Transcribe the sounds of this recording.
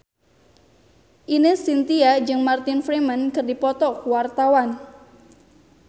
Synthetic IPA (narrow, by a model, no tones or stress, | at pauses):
ʔinisint̪iad͡ʒɨŋmart̪ɪnfɾimənkɨrdipɔt̪ɔkwart̪awan